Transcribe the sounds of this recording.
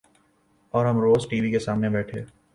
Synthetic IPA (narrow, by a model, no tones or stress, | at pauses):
ɔːɾɦɐmɾoːzʈiːʋikesaːmnebɛːʈʰḛː